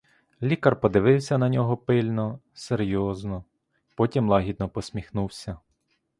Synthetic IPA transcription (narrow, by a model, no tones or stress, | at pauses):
lʲikɐrpɔd̪ɪʋɪwsʲɐnɐnʲɔɦɔpɪlʲnɔseɾʲjɔznɔ | pɔtʲimlˠɑɦʲid̪̚nɔpɔsʲmʲixnuwsʲɐ